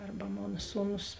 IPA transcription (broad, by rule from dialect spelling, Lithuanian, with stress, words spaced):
ˈɐrbɐ ˈmoːnɐ ˈsuːˌnʊs